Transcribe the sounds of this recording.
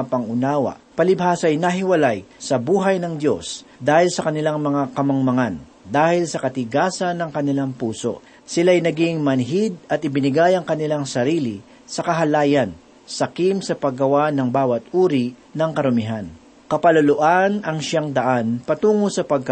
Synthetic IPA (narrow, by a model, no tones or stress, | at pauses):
pɐŋʔʊnaːwɐ̰ʔpɐlɪbhaːsɐjnɐɦɪwɐlajsɐbuːɦɐjnɐŋd̪jo̞sd̪aːhɪlsɐkɐnɪlaŋmɐŋakɐmɐŋmɐŋan | d̪aːhɪlsɐkɐt̪ɪɡaːsɐnːɐŋkɐnɪlaŋpuːso̞̰ʔ | sɪlaːjnɐɡɪŋmɐnɦid̪̚ɐt̪̚ɪbɪnɪɡajɐŋkɐnɪlaŋsɐɾiːlɪ | sɐkɐɦɐlaːjɐn | sɐkimsɐpɐɡːɐwanɐŋbaːwɐt̪̚ʔuːɾinɐŋkɐɾʊmɪɦan | kɐpɐlʊloʔanɐŋʃaŋd̪ɐʔanpɐt̪uːŋosɐpɐɡ̚k